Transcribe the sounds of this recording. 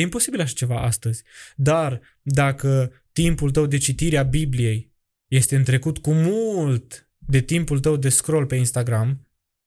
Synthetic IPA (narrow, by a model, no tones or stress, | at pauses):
impo̞sibilaʃḁt͡ʃe̞vaʔa̰st̪əzʲd̪ar | d̪akə | t̪impult̪əwd̪e̞t͡ʃit̪iɾeabiblije̞j | je̞st̪e̞ɨnt̪ɾe̞kut̪kumult̪ | d̪e̞t̪impult̪əwd̪e̞skɾo̞lpe̞inst̪aɡɾam